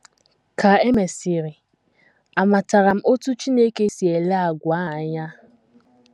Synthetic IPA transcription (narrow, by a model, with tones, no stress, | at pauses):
kʰa˨e˦me˨si˨ɾɪ˨ | a˨ma˨ta˨ɾa˨m̩˦o˦tu˦t͡ʃi˦ne˦ke˦si˨e˨la˦a˨ɡʷa˨˦a˨ɲa˦